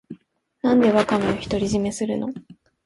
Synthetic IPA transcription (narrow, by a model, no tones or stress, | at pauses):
nãnd̪e̞βakanoçi̥t̪o̞ɾʲiʑime̞sɨɾɯ̟no̞